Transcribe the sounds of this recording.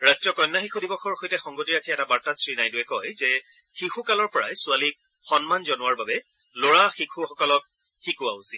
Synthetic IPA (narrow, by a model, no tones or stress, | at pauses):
ɹastɹɔkɔjnːaxixʰudibɔxɔɹxojtɛxɔŋɡotiɹakʰiɛtabaɹtatsɹinajdʊɛkɔjzɛ | xixʰukalɔɹpɔɹa̰jsʊalik̚ | xɔnmanzɔnʊwaɹbabɛ | loɹaxikʰuxɔkɔlɔk̚ | xikʊausi